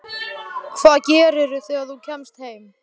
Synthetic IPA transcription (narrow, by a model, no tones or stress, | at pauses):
kʰvaːðcɛːɾɪɾʏθɛːɣaθucʰɛmst̪heːjm